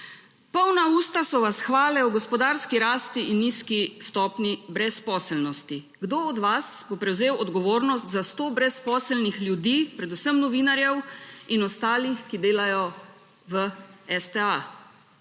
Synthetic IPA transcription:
pɔwnauːst̪asɔʋasxʋaːlɛɔɡɔspɔd̪aɾskiɾaːst̪iʔinːiːskist̪ɔːpnibɾɛspɔːsɛlnɔst̪i | ɡd̪oɔd̪ʋasbopɾɛwzeːwɔd̪ɡɔʋoːɾnɔst̪zast̪oːbɾɛspɔːsəlnixljud̪iːpɾɛd̪usəmnɔʋiːnaɾjɛwinɔst̪aːlixkid̪eːlajɔ | ʋəɛst̪ɛa

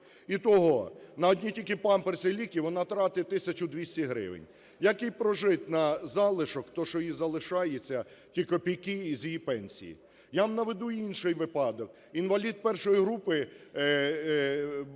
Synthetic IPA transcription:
it̪ɔɦɔnɐɔd̪ʲnʲitʲilʲkʲɪpɑmpersʲelʲikʲiʋɔnɑt̪ɾɑt̪ɪt̪ɪsʲɐt͡ʃʊd̪ʲʋʲisʲtʲiɦɾɪ̰ʋɪ̰nʲ | jɐkɪjpɾɔʒɪt̪ʲnɐzɑlˠɪʃɔkt̪ɔʃɔjizɐlˠɪʃɑjet͡sʲːɐ | tʲikɔpʲijkɪizʲjijipɛnʲsʲḭjḭ | jamnɐʋed̪uinʃɪjʋɪpɑd̪ɔk | inʋɐlʲid̪̚pɛrʃɔjiɦɾupɪ

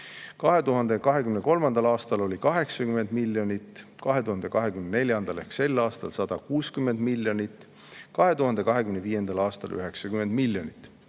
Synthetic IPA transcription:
kɑɦe̞t̪uɦɑnd̪̥e̞kɑɦe̞kymne̞ko̞lmɑnd̪̥ɑlɑːst̪ɑlo̞lʲikɑɦe̞ksɑkyme̞nd̪̥milːjo̞nʲit̪ːkɑɦe̞t̪uhɑnd̪e̞kɑɦe̞kymnenelʲjɑnd̪̥ɑle̞hkse̞lːɑːst̪ɑ̰lsɑd̪̥ɑkuːskymend̪̥milːjonit̪ː | kɑɦe̞t̪uɦɑnd̪e̞kɑɦe̞kymneviːje̞nd̪ɑlɑːst̪ɑ̰lʔy̰ɦe̞ksɑkyme̞nd̪̥miljonit̪ːˑ

